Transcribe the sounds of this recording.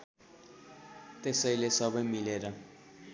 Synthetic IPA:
t̪esʌjlesʌbʌjmileɾʌ

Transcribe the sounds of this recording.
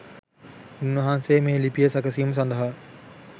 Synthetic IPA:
unːʋɐɦaːnsejːmeːlipijəsɐkəsijuməs̬ɐnd̪ɐɦa

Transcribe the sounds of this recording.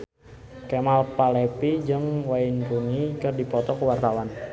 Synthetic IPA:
kemalpalepid͡ʒɨŋwainrunikɨrdipɔt̪ɔkəwart̪awan

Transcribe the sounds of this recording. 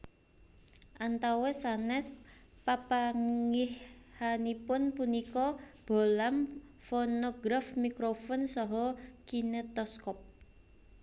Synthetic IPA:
ʔant̪awɛsanɛs | papaŋihhanipʊnpunikɔb̥o̤lam | fonoɡɾafmikɾofɔnsɔɦɔkinet̪ɔskɔp̚

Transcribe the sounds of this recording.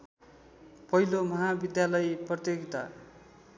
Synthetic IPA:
pʌɦilomʌɦabid̪jalʌjprʌt̪joɡit̪a̰

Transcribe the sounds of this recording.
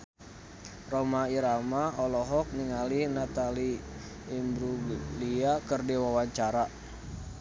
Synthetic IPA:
romaiɾamaɔlɔɦɔk̚niŋalinat̪aliː | mbɾuɡliakərdiwawaɲt͡ʃaɾa

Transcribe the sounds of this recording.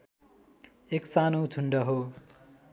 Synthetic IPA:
eksanod̪ʰʱuɳɖʌɦo

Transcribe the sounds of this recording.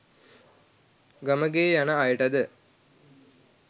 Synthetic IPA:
ɡaməɡeːjanəajəʈɐd̪ə

